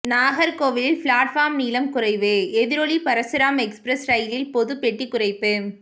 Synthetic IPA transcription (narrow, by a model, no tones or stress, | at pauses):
naːɣɐɾkoːʋɪlfɭaːʈfaːmniːlɐmkʊrɐɪʋɯɛðɪɾɔɭipɐɾɐsɪɾaːmɛkspɾɐsɾɐjlɪlpɔðɯpːɛʈːikːʊrɐɪpːɯ